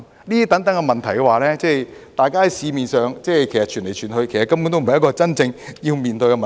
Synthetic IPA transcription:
liː˥iː˥t̪ɐ˨˥ŋt̪ɐ˨˥ŋkɛ˧mɐ˨nt̪ʰɐ˨˩jkɛ˧waː˨lɛː˥t͡sɛː˥˩jt̪aː˨˧jkaː˥hɐ˨˦jsiː˨˧miː˨˩nsœː˨ŋt͡sɛː˥˩kʰe˨˩jsɐ˨t̚t͡ʃʰyː˨˩nle˨˩jt͡ʃʰyː˨˩nɦɵ˧kʰjsɐ˨tkːɐ˥mp̬u˧˥nt̪o˥wm̩˨ɐ˨jkɔː˧t͡sɐ˥nt͡sɪ˧ŋjiː˧wmiː˨˩nt̪ɵ˧ɥkɛ˧mɐ˨

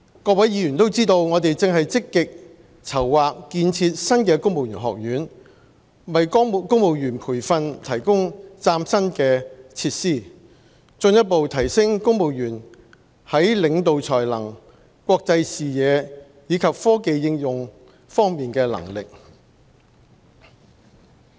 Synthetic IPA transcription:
kɔː˧k̚wɐ˨˥jjiː˨˧jy˨˩nt̪o˥wt͡siː˥t̪o˧wŋɔː˨˧t̪e˨jt͡sɪ˨ŋɦɐ˨jt͡sɪ˥kːɪ˨k̚ | t͡sʰɐ˨˩wːaː˨k̚ːiː˧nt͡sʰiː˧t̚sɐ˥nkɛː˧kʊ˥ŋmo˨wjyː˨˩nɦɔ̰ː˨k̚jyː˨˥n | wɐ˨jkkʊ˥ŋmo˨˧wjyː˨˩npʰuː˨˩jfɐ˧nt̪ʰɐ˨˩jkʊ˥ŋt͡saː˧msɐ˥nkɛː˧t͡sʰiː˧t̚siː˥˩ | t͡sɵ˧njɐ˥t̚po˨wt̪ʰɐ˨˩jsɪ˥ŋkʊ˥ŋmo˨wjyː˨˩n | hɐ˨˥jlɪ˨˧ŋt̪o˨wt͡sʰɔː˨˩jlɐ̰˨˩ŋ | kʷwɔː˧k̚t͡sɐ˧jsiː˨jɛː˨˧ | jiː˨˧kʰɐ˨p̚fɔː˥ke˨˧jːɪ˧ŋjʊ˨ŋ | fɔː˥ŋmiː˨nkɛː˧lɐ̰˨˩ŋlɪ̰˨k̚

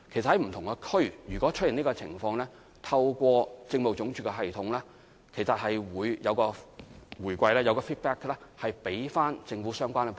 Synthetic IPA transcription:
kʰe˨˩sɐ˨hɐ˨˧jm̩˨˩t̪ʰʊ˨ŋkɛ˧kʰɵ˥ɥɥyː˨˩kʷɔ˨˥t͡ʃʰɵ˥t̚ji˨˩niː˥ɔ˧t͡sʰɪ̰˨˩ŋfɔː˧ŋlɛː˥ | t̪ʰɐ˧wkʷɔː˧t͡sɪ˧ŋmo˨wt͡sʊ˨˥ŋt͡ʃyː˨˩kɛ˧ɦɐ˨jt̪ʰʊ˨˥ŋlɛː˥ | kʰe˨˩jsɐ˨t̚hɐ˨jwuː˨˧jjɐ˨˧wkɔː˧wuː˨˩jkʷɐ˧jlɛː˥jɐ˨˧wkɔː˧fiː˥t̚pɛː˥klɛː˥hɐ˨jpe˨˥jfaː˥nt͡sɪ˧ŋfuː˨˥sœː˥ŋkʷaː˥nɛ˧˩

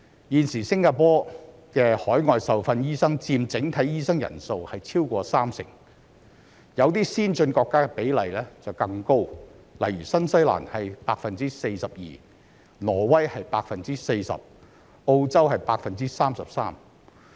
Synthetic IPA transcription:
jiː˨nsiː˨˩sɪ˥ŋkaː˧pɔː˥ | kɛː˧hɔː˨˥jŋɔː˨˧jsɐ˨wfɐ˧njiː˥sɐ˥ŋt͡siː˧mt͡sɪ˨˥ŋt̪ʰɐ˨˥jiː˥sɐ˥ŋjɐ̰˨˩nso˧whɐ˨jt͡sʰiː˥wkʷɔː˧saː˥msɪ̰˨˩ŋ | jɐ˨˧wt̪iː˥siː˥nt͡sɵ˧nkɔː˧kːaː˥kɛ˧pe˨˥jlɐ˨jlɛː˥t͡sɐ˨wkɐ˧ŋko˥w | lɐ̰˨˩jɥyː˨˩sɐ˥nsɐ˥jla̰ː˨˩nhɐ˨jpaː˧k̚fɐ˨nt͡siː˥se˧jsɐ˨p̚jḭː˨ | lɔː˨˩wɐ˥jhɐ˨jpaː˧k̚fɐ˨nt͡siː˥se˧jsɐ̰˨p̚ | o˧wt͡sɐ˥whɐ˨jpaː˧k̚fɐ˨nt͡siː˥saː˥msɐ˨p̚saː˥m

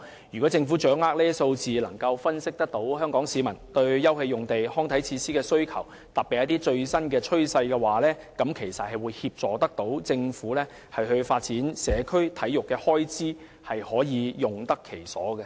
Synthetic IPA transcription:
jyː˨˩kɔ˨˥t͡sɪ˧ŋfuː˨˥t͡ʃœː˨˥ŋaː˥k̚lɛː˥so˧wt͡siː˨lɐ˨˩ŋkɐ˧wfɐ˥nsɪ˥k̚t̪ɐ˥k̚t̪o˨˥whœː˥ŋkɔː˨˥ŋsiː˨˧˥mɐ˨˩nt̪ɵ˧ɥjɐ˥whe˧jʊ˨ŋt̪e˨jhɔː˥ŋt̪ʰɐ˨˥jt͡sʰiː˧siː˥kɛː˧sɵ˥ɥkʰɐ̰˨˩w | t̪ɐ˨˩pːiː˨jɐ˥t̪̬iː˥t͡ʃɵ˧ɥsɐ˥nkɛː˧t͡ʃʰɵ˥ɥsɐ˧jkɛː˧waː˨˩lɛː˥ | kɐ˨˥mkʰe˨˩jsɐ˨t̚hɐ˨jwuː˨˧jhiː˧p̚t͡sɔː˨t̪ɐ˥k̚t̪o˨˥wt͡sɪ˧ŋfuː˨˥lɛː˥ | hɐ˨jɦɵ˧ɥfaː˧t̚t͡siː˨˥nsɛː˨˧kʰɵ˥ɥt̪ʰɐ˨˥jjʊ˨kːɛː˧hɔː˥jt͡siː˥ | hɐ˨jhɔː˨˥jiː˨˧jʊ˨ŋt̪ɐ˥kʰːe˨˩jsɔ̰ː˨˥ɡɛ˧

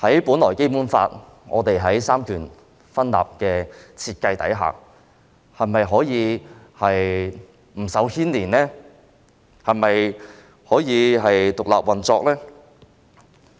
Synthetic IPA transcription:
hɐ˨˥jpuː˨˥nlɔː˨˩jke˥jpuː˨˥nfa̰ː˧t̚ | ŋʔɔ̰ː˨˧t̪e˨jɦɐ˨˥jsaː˥mkʰyː˨˩n | fɐ˥nla̰ː˨p̚kɛː˧t͡sʰiː˧t̚kɐ˧jt̪ɐ̰˨˥jɦa̰ː˨k̚ | hɐ˨˩mɐ˨jɦɔː˨˥jiː˨˧ | hɐ˨j | m̩˨˩sɐ˨˥whʰiː˥nliː˨˩nlɛː˥ | hɐ˨˩mɐ˨j | hɔː˨˥jiː˨˧ɦɐ˨jt̪ʊ˨k̚la̰ː˨p̚wɐ˨nt͡sɔː˧k̚lɛː˥

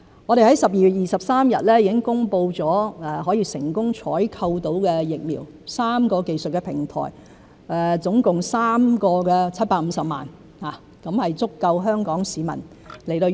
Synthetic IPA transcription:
ŋɔː˨˧ɾe˨˩hɐ˨˥jsɐ˨p̚jiː˨jɥyː˨t̚jiː˨˩sɐ˨p̚saː˥mjɐ̰˨t̚lɛː˥jiː˨˥kɪ˥ŋkʊ˥ŋpo˧wt͡sɔː˨˥ɛː˨˧hɔː˨˥jiː˧sɪ˨˩ŋkʊ˥ŋt͡ʃʰɔː˨˥jkʰɐ˧wt̪o˨˥wkɛː˧jɪ˨k̚miː˨˩w | saː˥mkɔː˧ke˨jsɵ˨t̚kɛ˧pʰɪ˨˩ŋt̪ʰɔ̰ː˨˩j | ɛ˨t͡sʊ˨˥ŋkʊ˨ŋsaː˥mkɔː˧kɛː˧t͡sʰɐ˥t̚paː˧˥k̚m̩˨˧˦sɐ˨p̚ma̰ː˨˩n | haː˨˩ | kɐ˨˥mhɐ˨jt͡sʊ˥kːɐ˧wɦœː˥ŋkɔː˨˥ŋsiː˨˧mɐ̰˨˩n | le˨˩jt̪o˧

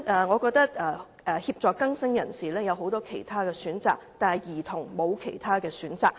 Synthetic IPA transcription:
ɛː˨˩ŋɔː˨˧kɔː˧k̚t̪ɐ˥k̚ɛː˨˩ | ɛ˨hiː˧p̚t͡ʃɔː˨kɐ˥ŋsɐ˥ŋjɐ˨˩nsiː˨lɛː˥jɐ˨˧wɦo˨˥wt̪ɔː˥kʰe˨˩jt̪ʰaː˥kɛː˧syː˨˥nt͡saː˨k̚t̪aː˨nhɐ˨jjiː˨˩t̪ʰʊ˨˩ŋmo˨˧wkʰe˨˩jt̪ʰaː˥kɛː˧syː˨˥nt͡saː˨k̚

